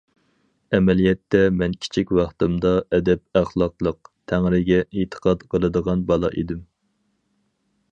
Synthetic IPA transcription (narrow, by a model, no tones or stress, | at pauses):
ɛmɛlijɛt̪ːɛmɛnkʲʰi̥t͡ʃʰikʲwɑχt̪ɨmd̪ɑʔɛd̪ɛp̚æχlˠɑqlˠəq̚t̪ʰæŋɾɪɡʲɛʔet̪ʰə̥qʰɑt̪qʰəlˠɨd̪əʁɑnbɑlˠɑʔed̪ɪm